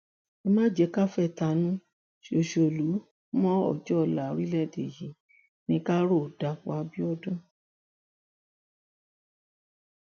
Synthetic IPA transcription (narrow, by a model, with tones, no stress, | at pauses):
e˧mã˦d͡ʒɛ˨˧˦ka˦fɛ˦˨ta˧˨nũ˦ | ʃo˨ʃo˨lu˨˦ | mɔ̃˦ɔ̰˦˨d͡ʒɔ˦˧˨la˨˧ɾi˦lɛ˦˨de˨ji˨˦ | nĩ˧˦ka˦ɾo˦˨da˨˦k͡pa˧˦bi˦ɔ˦dɔ̃˦